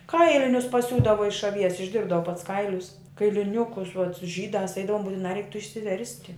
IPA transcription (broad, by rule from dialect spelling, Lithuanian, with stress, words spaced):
ˈkɐɪlʲɪnʲʊs pɐˈsʲuːdɐʋoː ɪʃ ɐˈʋʲiɛs ɪʒʲˈdʲɪrbdɐʋoː pɐts ˈkɐɪlʲʊs kɐɪlʲɪˈnʲʊkʊs ʊɐt ˈʒʲiːdɑːs ˈɛɪdɐʋoːm bʊtʲɪˈnɑː ˈrʲɛɪk tuː ɪʃʲsʲɪˈʋʲɛrʲsʲtʲɪ